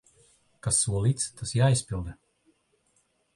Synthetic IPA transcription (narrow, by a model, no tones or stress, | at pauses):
kasːuɔlˠiːt̪st̪asjaːisʲpilˠd̪ɛ